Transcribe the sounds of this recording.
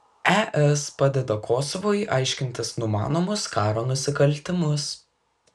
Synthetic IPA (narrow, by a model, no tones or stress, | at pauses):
æʔɛspɑd̪ʲɛd̪ɐkʰoːsɔʋoːjʔɑɪʃʲkʲɪnʲt̪ʲɪsnʊmɑ̰ːnoːmʊskɑːɾoːnʊsʲɪkɐlʲˑt̪ʲɪmʊs